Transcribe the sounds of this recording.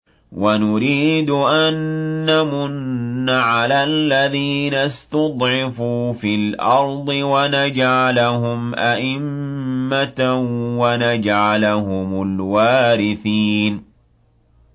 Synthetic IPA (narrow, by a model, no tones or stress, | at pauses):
wanʊɾiːd̪ʊʔanːamʊnːaʕalalːaðiːnast̪ɑd̪ˤʕɪfuːfilʔɑɾˤd̪ˤɨwanad͡ʒʕalaɦʊmʔaʔɪmːat̪wanad͡ʒʕalahʊmʊlwaːɾɪθiːn